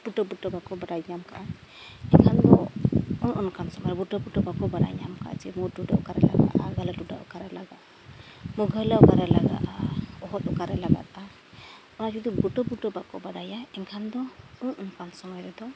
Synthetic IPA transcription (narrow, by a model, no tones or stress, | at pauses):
b̥uʈɔbuʈɔbakɔbaɖajamkaʔa | ɛɲkʰand̪ɔɔnʔɔnkansɔmɔjɾɛbuʈɔbuʈɔbakɔbaɖa̰jamka̰ʔa̰t͡ʃɛmuɾduɖaʔɔkaɾɛla̰ɡa̰ʔaɡalɛtuɖaʔɔkaɾɛlaɡaʔ | muɡʱəjlaɔkaɾɛlaɡa̰ʔaɔɦɔt̪̚ɔkaɾɛlaɡa̰t̪̚a | ɔnad͡ʒud̪ubuʈɔpuʈɔbakɔ̰baɖajaɛnkʰand̪ɔuŋɔnkansɔmɔjɾɛd̪ɔ